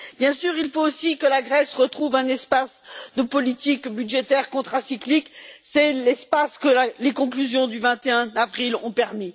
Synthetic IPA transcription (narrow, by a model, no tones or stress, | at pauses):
bjɛ̃syʁilfoːsikəlaɡʁɛsʁət̪χuvɛ̃nɛspasd̪əpɔlit̪ikbyd̪ʒet̪ɛʁkɔ̃t̪χasikliksɛlɛspaskəalekɔ̃klyzjɔ̃d̪yvɛ̃t̪eɛ̃avʁilɔ̰̃pɛʁmi